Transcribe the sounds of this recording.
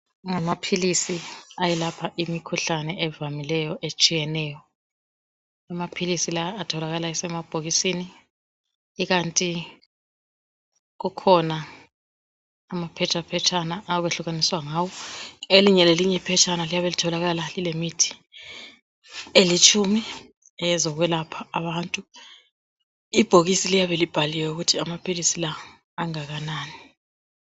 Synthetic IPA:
ŋamapʰilisiajɛlapʰaʔimikʰuɬanɛɛvamilɛjɔʔet͡ʃʼijɛnɛjɔ | amapʰilisilaːtʰɔlaɣalaɛsɛmab̥ʱoɣisiniː | ɣantʼi | ɣukʰɔna | mapʰɛt͡ʃʰapʰɛt͡ʃʰanaʔːβeɬuɣaniswaŋaːwɔeliɲɛleliɲɛipʰɛt͡ʃʰanalijaβelitʰɔlaɣalalilemitʰi̥ | elit͡ʃʼʰumi | ɛzɔɣ̬wɛlapʰaːɓantʼu | ib̥ʱoɣisilijaβelib̥ʱaliwɛuɣutʰiamapʰilisilaː | ŋaɣanaːni

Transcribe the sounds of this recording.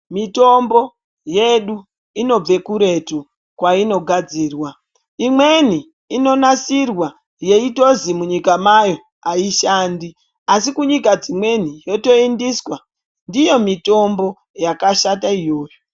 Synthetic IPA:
mito̞mbo̞ | je̞ɗu | ino̞b͡ve̞kuɾe̞tu | kwaino̞ɡʱad͡ziːrwa | imwe̞n̤i | ino̞nasirwa | je̞ito̞zimuɲikamajo̞ | aiʃaːndi | asikuɲikad͡zimwe̞n̤ijo̞to̞indiswa | ndijo̞mito̞mbo̞ | jakaʃataijo̞ːjo

